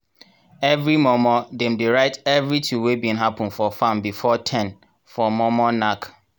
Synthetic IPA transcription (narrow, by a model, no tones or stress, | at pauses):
ɛvɹimɔmɔdɛ̃mdiɹaɪtɛvɹitʰuwebĩnɦapə̃nfɔfãmbifɔtʰɛ̃n | fɔmɔmɔnak